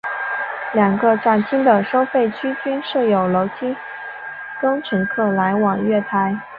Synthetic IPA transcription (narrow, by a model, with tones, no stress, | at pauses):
ljɑ˨˩ŋɡə˧ʈ͡ʂa˥˩nt͡ɕʰi˥ŋd̪ə˨ʂo˥ʊfe˥˩ɪt͡ɕʰy˥t͡ɕy˥nʂɤ˥˩jo˨˩ʊlo˧˥ʊt͡ɕʰi˥ | kɤ˥ŋʈ͡ʂʰə˧˥nkʰɤ˥˩la˧˥ɪwɑ˨˩ŋɥɛ˥˩t̪ʰa˧˥ɪ